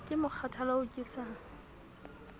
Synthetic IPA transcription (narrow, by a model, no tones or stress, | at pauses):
kʼɪmʊk͡xʰatʰalaʊkʼɪsa